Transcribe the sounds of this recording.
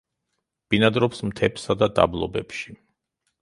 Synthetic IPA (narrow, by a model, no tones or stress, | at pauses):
b̥inad̪ɾɔpsmt̪ʰɛpsad̪ad̪a̰blˠɔ̰bɛpʃi